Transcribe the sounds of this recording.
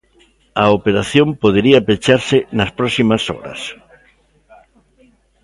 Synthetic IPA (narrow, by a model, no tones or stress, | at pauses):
ɐopeɾaθjõmpoðeɾiɐpet͡ʃaɾsɪnɐspɾɔsimɐsɔ̰ɾɐ̰s